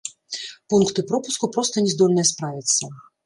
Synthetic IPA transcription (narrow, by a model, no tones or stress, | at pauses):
punkt̪ɨpɾɔpuskupɾɔst̪ɐnʲɛzd̪ɔlʲnɐjɛspɾavʲit̪sːɐ